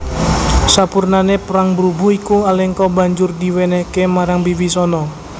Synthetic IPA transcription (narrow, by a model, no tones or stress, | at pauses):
sapurnanepəɾaŋbəɾubuhikualɛŋkɔbaɲd͡ʒʊrdiwenɛhkemaɾaŋbiwisɔnɔ